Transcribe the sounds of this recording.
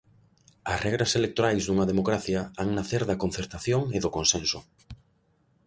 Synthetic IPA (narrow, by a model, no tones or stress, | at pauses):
ɐsrɛɣɾɐselek̚t̪oɾajzðuŋɐðemokɾaθjɐaŋnaθeɾðɐkon̟θeɾt̪aθjoŋeðokonsensʊ